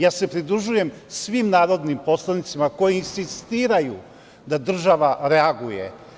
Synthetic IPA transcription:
jaːse̞pɾid̪ɾuʒuje̞msʋimnaːɾo̞d̪nimpo̞slˠanit̪simako̞jiinsist̪iːɾaju | d̪ad̪r̩ʒaʋaɾeaɡujḛ

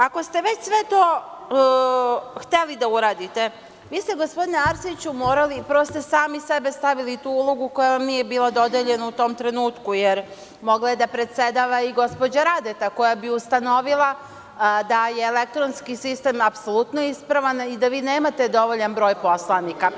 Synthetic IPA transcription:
ako̞st̪e̞ʋe̞t͡ɕsʋe̞t̪o̞ː | xt̪elid̪auɾaːd̪it̪e̞ | ʋiːst̪eɡo̞spo̞d̪ineaɾsit͡ɕumo̞ːɾalipɾɾost̪osaːmisebe̞st̪aʋilit̪uulˠoɡuko̞jaʋamniːje̞biːlˠad̪o̞d̪eʎe̞naut̪o̞mt̪ɾe̞nuːt̪kujeɾ | mo̞ɡlaed̪apɾe̞t̪se̞d̪aʋaiɡo̞spo̞d͡ʑaɾad̪et̪ako̞jabiust̪ano̞ʋilˠa | d̪ajeːle̞k̚t̪ɾonskisist̪e̞ːmapsolˠut̪noispɾaʋanid̪aʋiːneːmat̪e̞d̪o̞ʋoʎanbɾo̞ːjpo̞slˠanika

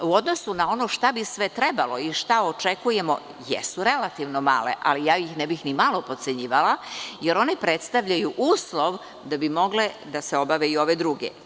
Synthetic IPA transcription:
uod̪no̞sunao̞noʃt̪abisʋet̪ɾebalo̞iʃt̪ao̞t͡ʃekuje̞mo̞̰ | jɛ̰suɾelat̪iʋno̞ma̰ːlḛʔa̰lijaːjixnɛbixnimalˠo̞pot̪se̞ɲiːʋalˠajeɾo̞nepɾet̪st̪aʋʎajuʔuːslˠo̞ʋ | d̪abimo̞ɡle | d̪aseo̞baʋeio̞ʋed̪ɾuɡḛ

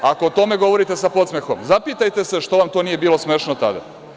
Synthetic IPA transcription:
akoot̪o̞me̞ɡo̞ʋo̞ɾit̪e̞sapo̞t̪smexo̞̰mzapit̪ajt̪e̞se̞ʃt̪o̞ʋamt̪o̞ːnije̞biːlo̞smeːʃnot̪a̰d̪a̰

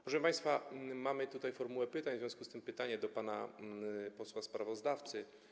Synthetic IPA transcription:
pɾɔʂɛmpaj̃st̪famamɘt̪ut̪ajfɔɾmuwɛpɘt̪aɲzvjɔ̃w̃skust̪ɘmpɘt̪aɲɛd̪ɔpana̰ | pɔswaspɾavɔzd̪aft̪sɘ

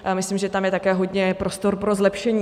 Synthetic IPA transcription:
mɪslimʒɛt̪amjɛt̪akɛːɦo̞dɲɛpɾo̞st̪o̞ɾpɾo̞zlɛpʃɛɲiː

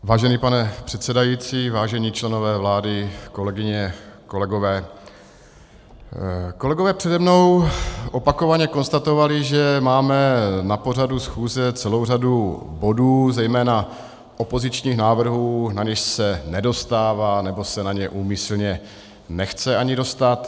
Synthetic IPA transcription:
vaːʒɛniːpanɛpr̥ɛt̪sɛdajiːt͡siːvaːʒɛɲiːt͡ʃlɛno̞vɛːvlaːdɪko̞lɛɡɪɲɛko̞lɛɡo̞vɛː | ko̞lɛɡo̞vɛːpr̝̥ɛdɛmno̞wʔopako̞vaɲɛko̞nst̪at̪o̞valɪʒɛmaːmɛnapo̞r̝adusxuːzɛt͡sɛlowradu | bo̞duːzɛjmɛːna | ʔo̞po̞zɪt͡ʃɲiːxnaːvr̩ɦuːnaɲɛʃsɛnɛdo̞st̪aːvanɛbo̞sɛnaɲɛʔuːmɪsl̩ɲɛ | nɛxt͡sɛaɲɪdo̞st̪at̪

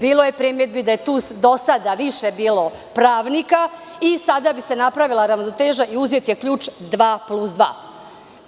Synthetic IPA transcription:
biːlˠoje̞pɾimed̪bid̪aje̞t̪uːsd̪osad̪aʋiʃebiːlo̞ | pɾaːʋnika | isad̪abise̞napɾaʋilˠaɾaʋnot̪eːʒaʔiuzet̪jekʎuːt͡ʃd̪ʋaːplusd̪ʋa̰ː

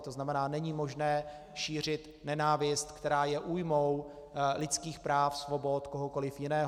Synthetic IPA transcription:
t̪oznamɛnaːnɛɲimo̞ʒnɛː | ʃiːr̝ɪt̪ | nɛnaːvɪst̪kt̪ɛɾaːjɛʔuːjmo̞w | lɪt͡skiːxpɾaːfsvo̞bo̞t̪koɦoko̞lɪfjɪnɛːɦ

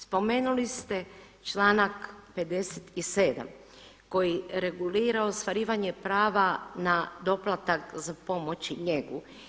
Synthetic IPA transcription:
spo̞me̞ːnulist̪e̞ | t͡ʃlaːnakpe̞d̪e̞set̪ise̞ːd̪a̰m | ko̞jiɾe̞ɡuliːɾaost̪ʋaɾiːʋaɲe̞pɾaːʋanad̪o̞plˠat̪akzapo̞mo̞t͡ɕiɲe̞ɡu

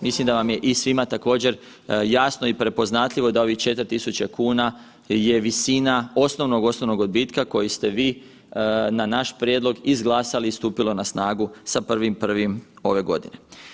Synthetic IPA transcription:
mislimd̪aʋamje̞ʔisʋimat̪ako̞ːd͡ʑe̞ɾ | jasno̞ipɾe̞po̞znat̪ʎʲiʋo̞d̪ao̞ʋit͡ʃe̞t̪ɾt̪isut͡ɕekuːna | je̞ʋisiːnao̞sno̞ʋno̞ɡo̞snoʋno̞ɡod̪̚biːt̪kako̞jist̪e̞ʋiː | nanaʃpɾjed̪lˠo̞ɡizɡlˠaːsaliːst̪uːpilo̞nasnaːɡusapr̩ʋimpr̩ʋimo̞ʋe̞ɡo̞̰d̪ḭne̞

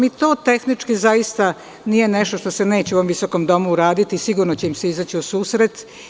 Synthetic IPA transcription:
mit̪o̞ːt̪e̞xnit͡ʃkizajist̪a | nijene̞ʃt̪o̞ʃt̪o̞sene̞ːt͡ɕeuoomʋisoko̞md̪o̞muːɾaːd̪it̪isiɡuɾnot͡ɕeimseizat͡ɕiusuːsɾet̪

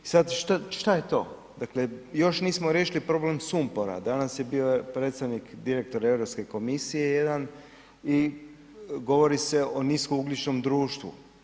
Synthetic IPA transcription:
isad̪ʃt̪aʃt̪aje̞t̪o̞ː | d̪aklejo̞ʃniːsmoɾjeʃilipɾo̞ble̞msumpoɾa̰d̪anasjebiopɾet̪st̪aʋnikd̪iɾe̞k̚t̪o̞ɾe̞ʋɾo̞pske̞ko̞misije̞je̞d̪an | i | ɡo̞ʋo̞ɾise̞o̞niskouɡlit͡ʃno̞md̪ɾuːʃt̪ʋṵ

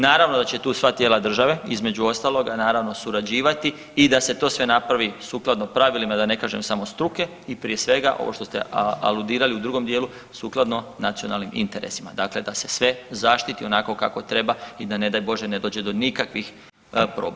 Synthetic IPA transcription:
naːɾaʋno̞d̪at͡ɕe̞t̪uːsʋat̪jeːlˠad̪r̩ʒaʋe̞izme̞d͡ʑuo̞st̪aːlˠo̞ɡanaːɾaʋno̞suɾad͡ʑiːʋat̪i | id̪ase̞t̪o̞ːsʋe̞napɾaʋisuklˠad̪no̞pɾaʋilimad̪ane̞kaːʒḛmsamost̪ɾuke̞ | ipɾije̞sʋe̞ɡaʔo̞̰ʔo̞ʃt̪ost̪ḛa̰lud̪iːɾaliud̪ɾuɡo̞md̪jeːlu | suːklˠad̪no̞nat̪sio̞nalnimʔḭnt̪e̞ɾḛsima̰d̪akle̞d̪ase̞sʋe̞zaʃt̪it̪io̞nako̞ka̰ko̞t̪ɾe̞baid̪ane̞d̪ajbo̞ʒene̞d̪oːd͡ʑe̞d̪o̞nikakʋix | pɾo̰ːb

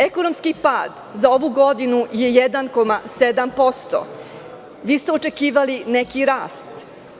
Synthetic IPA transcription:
ekonomskipaːd̪ | zao̞ʋuɡo̞d̪inuje̞jed̪anko̞mased̪ampo̞st̪o̰ | ʋiːst̪eo̞t͡ʃe̞kiːʋalinekiɾaːst̪

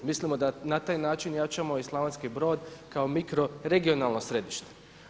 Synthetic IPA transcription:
mislimo̞d̪anat̪aːjnaːt͡ʃinjat͡ʃamo̞islˠaʋanskibɾo̞ːd̪kaomikɾo̞ɾe̞ɡio̞nalˠno̞sɾe̞d̪iʃt̪e̥

